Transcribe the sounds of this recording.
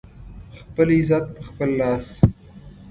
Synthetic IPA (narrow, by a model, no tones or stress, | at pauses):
xpəlizat̪̚pəxpəlːɑːs